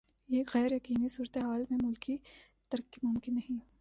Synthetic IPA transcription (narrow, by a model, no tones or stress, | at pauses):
eːkɣɛːɾjɐkiːnisuːɾət̪eɦaːlmẽmʊlkʰi | t̪ɐɾəkːimʊmkɪnːɐɦĩ